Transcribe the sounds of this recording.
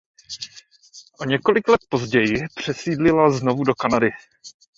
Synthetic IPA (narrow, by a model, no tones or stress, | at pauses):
ʔoɲɛko̞lɪklɛt̪̚po̞zɟɛjɪpr̝̥ɛsiːdlɪlazno̞vudo̞kanadɪ